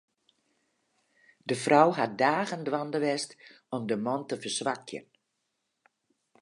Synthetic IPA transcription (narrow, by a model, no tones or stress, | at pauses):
dəfrɔwɦat̚daːɣəndʋandəʋɛst | ɔmdəmɔntəfərsʋakjə̰n